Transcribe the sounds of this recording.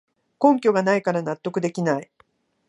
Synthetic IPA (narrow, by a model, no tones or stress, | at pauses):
kõ̞ŋkʲo̞ɡanaikaɾanat̪ːo̞kɯ̟d̪e̞kʲinai